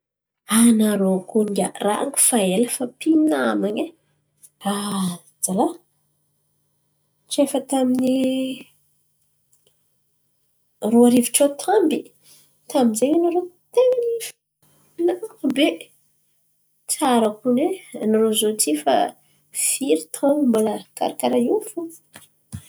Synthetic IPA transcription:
anaɾokuiɡʲara̰a̰ŋki̥faeləfapinamaɲe | a | d͡zala | ʈ͡ʂefət̪amini | roaɾiviʈ͡ʂot̪ʰambi | t̪ambizeɲanaɾo | t̪eŋanif | nabe | t͡saɾakunenaɾozot͡sifa̰ | fiɾit̪ambalaka̰ɾakaɾajiufu

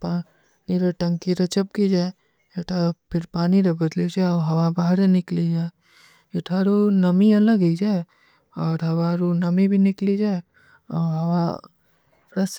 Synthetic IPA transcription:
paː | niɾeʈɐ̃ŋkiɾɐt͡ʃəp̚kid͡ʒaːe | eʈʰapʰɪɾpaːniɾebɐd̪lid͡ʒaɔɦɐwabaːɦɾenɪklid͡ʒaːe | eʈʰaɾonɐmiɐ̃ləɡid͡ʒae | ɔːɾɦɐwaɾonɐmibʱinɪklid͡ʒae | ɔɦɐʋa | pɾɐs

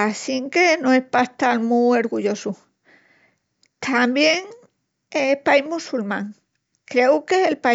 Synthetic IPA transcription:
asiŋkenõehpaht̪almuoɾɣuʎo̞su | t̪ʰambjeŋ | epaiɦmusulmãŋ | kɾe̞ukeelpa

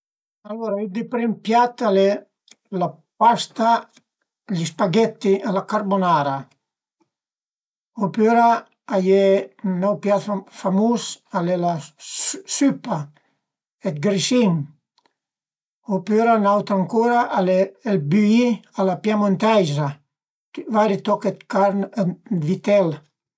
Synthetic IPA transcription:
aloɾaid̪ipɾimpjat̪alɛ | la | past̪a | ʎispaɡɛt̪ːialakaɾbonaɾa | opøɾaː | jɛnawpjat̪famusalɛla | sypa | et̪ɡɾisiŋ | opøɾanawt̪ɾaŋkoɾaʔaleelbyialapjamont̪ajza | vaɾit̪ɔket̪kaɾnvit̪ɛl

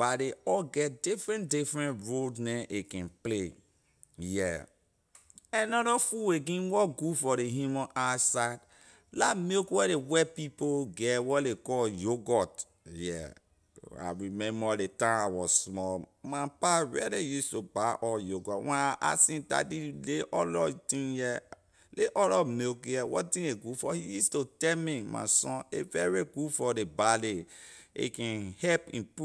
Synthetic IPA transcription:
b̥adeɔlɡɛt̚difɹɛ̃ndifɹɛ̃ntɹodnɛ̃nʔekɛ̃nple | jɛ | ɛnɔdɔfuweɡĩnwɔɡufɔɾeɦjumɔ̃nʔasaɪd | lamekwɛdewɛpipoɡɛwɔdekɔljoɡɔt | jɛ̰ | a̰ɹimɛ̃mbɔdetãmawɔsmɔmapaɹɛ̰lijustubaʔɔljoɡɔtwɛ̃naʔa̰sĩnta̰dileʔɔlɔtĩnjɛ | leʔɔlɔmekjɛwɔ̰tĩeɡufɔhijustotɛmima̰sɔ̃nevɛɹiɡufɔdebaleḛkɛ̃nhɛpḭ̃npu

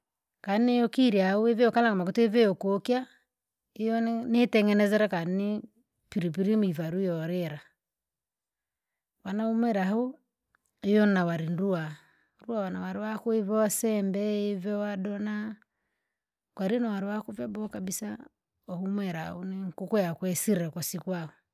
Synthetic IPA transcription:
kanejɔkiɾjauevɛɔkalaŋɡɔmakutevɛjɔkokia | ijɔnetɛŋɡɛnɛzɛɾɛkanni | piɾipiɾimivaɾujɔɾɛɾa | wanaumwɛɾahu | ijɔnawaɾinɾua | ɾuawanawaɾiwakuivɔsɛmbɛivɛwadɔna | kwaɾinawaɾiwakuvjabɔkabisa̰ | ɔhumɛɾa̰uniŋkukɔjakwɛsiɾɛkwasikuaɔ

